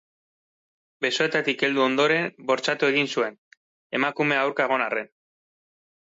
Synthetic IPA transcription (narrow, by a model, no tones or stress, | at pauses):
be̞so̞e̞t̪at̪ike̞ld̪uo̞nd̪o̞ɾe̞nbo̞ɾt͡ʃat̪ue̞ɣinsue̞n | e̞makume̞aawɾkaeɣ̞o̞nare̞n